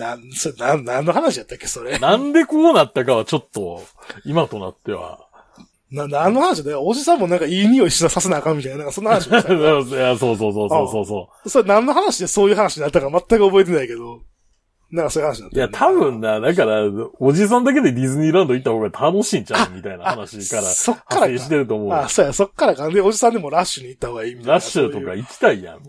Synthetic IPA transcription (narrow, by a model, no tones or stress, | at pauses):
nasoɾenãnnãnːo̞ɦanaɕijat̪ːakːeso̞ɾenãnd̪e̞koːnat̪ːakaβat͡ɕo̞t̪ːo̞ | imat̪o̞na̰t̪ːe̞βa̰ | naãnːohanaɕiat̪aaod͡ʑisãmːo̞nãŋkaiɲʲioiɕːoasas̬enaːkãmit̪ajnanaŋkasonːahanaɕijaso̞ːso̞ːso̞ːoːso̞ːsoː | so̞ɾenãnːo̞ɦanaɕid̪eso̞ːjɯ̟ɦanaɕiɲinat̪ːakamat̪ːakɯ̟o̞bo̞et̪̬e̞naike̞d̪o̞ | nãŋkasoːjɯ̟hanɕiɲiat̪ːjat̪ʰabɯ̟̃nːad̪ak̬aɾaoʑis̬ãnd̪ak̬e̞d̪e̞d̪ʲizɨɲʲiːɾãnd̪o̞it̪ːahoɡat̪ʰano̞ɕĩːt͡ɕãmʲit̪ainaaanaɕikaɾaso̞kːaɾaeɕi̥t̪eɾɯ̟t̪o̞ːmo̞asoːjaso̞kːaɾakad̪eo̞d͡ʑisãnd̪e̞mo̞ɾaɕːɨɲ̟iːt̪ːaho̞ɡaiːmʲit̪ɾaɕɨtt̪o̞kaikʲi̥t̪aijã̰